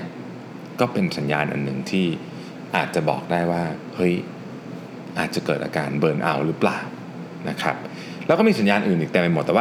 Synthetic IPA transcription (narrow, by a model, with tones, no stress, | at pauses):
kɔː˥˩pe˧nsa˨˩˦nja̰ː˧nʔa̰˨˩nːɯ˨˩ŋt̪ʰiː˥˩ | ʔaː˨˩t̪̚t͡ɕa˨˩bɔ̰ː˨˩k̚daː˥˩jwaː˥˩hɤ˦˥j | ʔaː˨˩t̪̚t͡ɕa˨˩kɤː˨˩t̪ʔa̰ː˧kaː˧nbɤː˨˩nʔa̰˧wɾɯː˦˥plaː˨˩w | na˦˥kʰɾa̰˦˥p̚ | lɛ˦˥wkɔː˥˩iː˧˩sa˨˦njaː˧nʔɯː˨˩nʔiː˨˩t̪ɛː˨˩pa˧mo˨˩t̪ːwaː˥˩